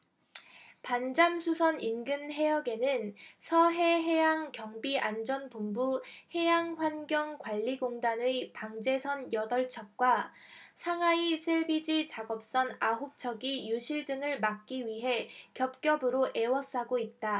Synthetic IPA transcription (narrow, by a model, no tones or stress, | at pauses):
pand͡ʑamsʰusʰʌninɡɯnɦe̞jʌɡe̞nɯnsʰʌɦe̞ɦe̞jaŋkjʌŋbiʔand͡ʑʌnpombuhe̞jaŋɸwanɡjʌŋkwaʎːiɡoŋdanɯjpaŋd͡ʑe̞sʰʌnjʌdʌɭt͡ɕʰʌk̚k͈wa | sʰaŋaisʰeɭbid͡ʑit͡ɕaɡʌp̚s͈ʌnaɦup̚t͡ɕʰʌɡijuɕʰiɭdɯŋɯɭmak̚k͈iɥiɦe̞kjʌp̚k͈jʌbɯɾoʔe̞wʌs͈aɡoit̚t͈a